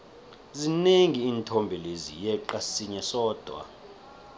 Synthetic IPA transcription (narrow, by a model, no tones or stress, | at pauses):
zineŋiːntʰombʱilezḭjɛǃasiɲɛsɔːd̥ʱwa̰